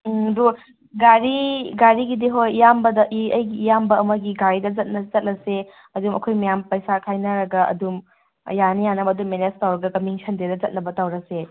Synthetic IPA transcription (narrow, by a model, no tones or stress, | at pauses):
do | ɡaɾiɡaɾiɡidiɦojjambɐdɐʔiɐjɡijambɐɐmɐɡiɡaɾidɐzɐt̚nɐzɐt̚lɐse | ɐdumʔɐ̰kʰojmɐjampɐjsakʰajnɐɾɐɡɐɐ̰dum | janijanɐbɐːdumːenestawɾɐɡɐkɐmiŋsʰɐndedɐzɐt̚nɐbɐtawɾɐse